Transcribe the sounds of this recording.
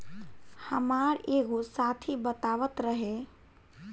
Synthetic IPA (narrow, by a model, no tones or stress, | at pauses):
həmaɾeːɡosat̪ʰibət̪aʋət̪ɾəɦe